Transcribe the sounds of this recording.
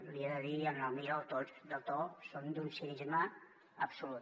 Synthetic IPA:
liaðəðianamiɾawt̪osd̪ət̪osond̪unsiʒmaː | psulut̪

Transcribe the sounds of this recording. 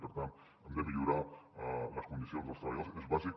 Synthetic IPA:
pəɾt̪ant̪ | əmd̪eβeʎuɾa | ləskund̪isionzðəlˠst̪ɾəβʎalsezβazik

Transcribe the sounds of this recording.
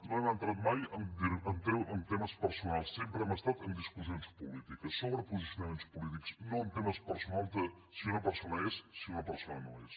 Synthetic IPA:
nõɛmənt̪ɾat̪majənd̪iənt̪ɾewʔənt̪eməspəɾsunalˠssempɾəɛməst̪at̪ənd̪iskuzijonspulit̪ikəsːoβɾəpuzisjunɐment̪spulit̪iksnõənt̪ɛməspəɾsunalˠt̪ə | siunɐpəɾsonəɛssiunɐpəɾsonənõ̰ɛs

